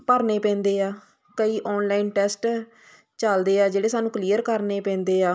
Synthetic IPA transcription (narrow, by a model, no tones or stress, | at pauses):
pəɾneːpɛ̃ːnd̪eːaː | kəiːʔɔːnlaːɪnʈɛːsʈ | t͡ʃəld̪eːaːd͡ʒeːɽeːsaːnũːkliːəɾkəɾneːpɛ̃ːnd̪eːaː